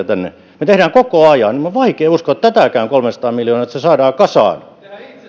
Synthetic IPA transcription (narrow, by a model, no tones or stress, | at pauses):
æt̪ænːḛ | met̪ehɾæːŋkokoɑjɑnimuʋɑikeːuskoet̪t̪æt̪ækæyŋkolmensɑ̥t̪ɑːmiljoːnɑet̪sesɑːdɑːkɑsɑ̰ˑn